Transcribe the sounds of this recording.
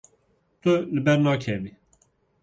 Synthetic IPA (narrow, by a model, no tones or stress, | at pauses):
t̪ɨlɨbɛɾnɑːkʰɛvi